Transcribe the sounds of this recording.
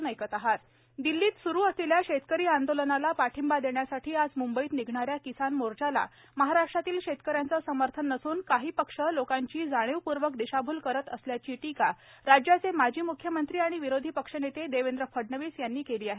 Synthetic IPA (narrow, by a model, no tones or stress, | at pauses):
nəjkət̪aɦat̪ | d̪ilːiːt̪suɾuːəsiljaɕet̪kəɾiːand̪olənalapaʈʰimbad̪eɳjasaʈʰiːad͡zmumbəiːt̪niɡʱɳaɾjakisanmoɾt͡ɕala̰ | məɦaɾaʂʈɾat̪iːlɕet̪kəɾjant͡səsəməɾt̪ʰənːəsuːnkaɦiːpəkʂəlokaɲt͡ɕiːd͡zaɽ̃iʋpuɾʋəkd̪iɕabʱuːlkəɾət̪əsljat͡ɕiːʈikaɾad͡ʑjat͡semad͡ʑʱiːmukʰjəmənt̪ɾiːaɽ̃iʋiɾod̪ʱiːpəkʂənet̪ed̪eʋend̪ɾəfəɽnəʋiːsjanːiːkeliːaɦe